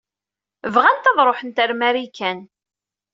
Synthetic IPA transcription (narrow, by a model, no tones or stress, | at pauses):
əvʁænt̪ɑðˤɾˤoħənt̪æɾmæɾikːæn